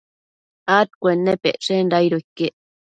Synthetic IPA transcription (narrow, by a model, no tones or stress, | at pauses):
at̪̚kʷenːepeʔʂenɾajɾoikːeʔ